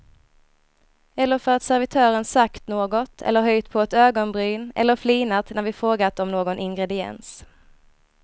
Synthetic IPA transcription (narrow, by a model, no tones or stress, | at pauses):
ɛlːəɾfœɾat̪sæɾvɪt̪ʰœːɾənsakt̪noːɡɔt̪ʰɛ̰lːəɾɦœjt̪pʰɔɛt̪øːɡɔnbɾyːnɛ̰lːəɾfliːnat̪næɾvɪfɾoːɡat̪ɔmnoːɡɔnʔɪŋɡɾɛd̪ɪɛ̰ns